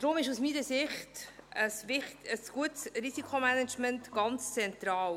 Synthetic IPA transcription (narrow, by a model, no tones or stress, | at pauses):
d̥̪ɾʊmɪʃusmiːnəsɪχtəsvɪχtəsɡ̥uətsɾisikʰomænɛt͡ʃməntɡ̥ɑnt͡st͡sɛnt̪ɾɑːl